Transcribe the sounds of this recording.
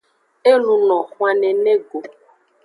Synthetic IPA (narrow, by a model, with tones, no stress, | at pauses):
e˦lu˨nɔ̃˨xw̃a˨nɛ̃˨nẽ˦ɡo˨